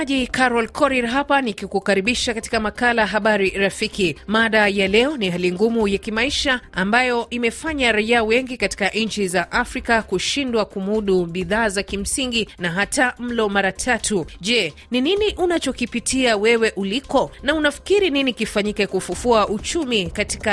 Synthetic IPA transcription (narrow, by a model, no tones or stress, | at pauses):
ʄikaɾɔlkʰɔɾiɾɦapanikikukaɾiɓiʃakati̥kamakalajaɦaɓaɾiɾafikimaɗajalɛɔnihaliŋɡumujakimaiʃaambajɔʔimɛfaɲaɾaiaːwɛŋɡikati̥kaʔnɲ̩t͡ʃizaʔafɾikakuʃindwakumuɗuɓiðaːzakim̩siŋɡinaɦatam̩lɔmaɾatʰatuʄɛ | nininiʔunat͡ʃɔkipitʰiawɛwɛʔulikɔnaunafi̥kiɾininikifaɲikɛkufufuaʔut͡ʃumikati̥ka